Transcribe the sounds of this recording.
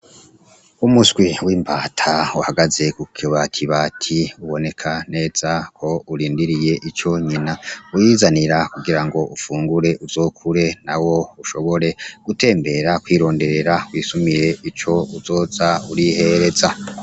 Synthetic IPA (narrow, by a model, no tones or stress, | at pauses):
umusɡwiwiːmbaːtʰauhaɡaze̞kukʰiβatʰiβaːtʰiuβo̞ne̞kʰane̞ːz̥akʰo̞uɾiːndiɾije̞ʔit͡ʃo̞ɲinaujizaniɾakuɡiɾaŋɡo̞ʔufuːŋɡuɾe̞ʔuzo̞ːkʰuɾe̞nawo̞uʃo̞βo̞ɾe̞ɡ̥ute̞ːmbe̞ɾakwiːɾo̞ːnde̞ɾe̞ɾakwiːsumiɾe̞it͡ʃo̞uzo̞ːzauɾihe̞ɾe̞za